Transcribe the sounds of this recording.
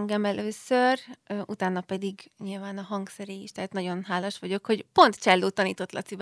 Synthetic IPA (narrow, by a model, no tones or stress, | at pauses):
ŋɡɛmɛlʔøːsørøːʔut̪aːnːɒpɛd̪iɡɲilvaːnɒɦɒŋɡksɛɾeːjiʃt̪ɛɦːt̪nɒɟo̞nɦaːlɒʃʋɒɟo̞kho̞ɟpo̞nt̪t͡ʃɛlːoːt̪ɒniːt̪o̞t̪lɒ̰t̪sib